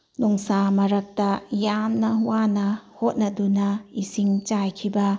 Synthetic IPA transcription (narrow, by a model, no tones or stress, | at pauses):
nuŋsamɐɾɐk̚tɐjamnɐwanɐhot̚nɐdunɐisiŋt͡ʃajkʰibɐ